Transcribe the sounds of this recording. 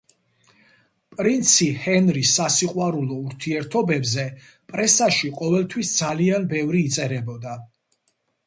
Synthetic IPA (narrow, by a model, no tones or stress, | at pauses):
pʼɾint̪sʰihɛnɾisːasiqʼwaɾulˠɔuɾt̪ʰiɛɾt̪ʰɔbɛbzɛ | pʼɾɛsaʃiqʼɔvɛlˠt̪ʰwisd̪zalianbɛvɾiːt̪sʼɛɾɛbɔd̪a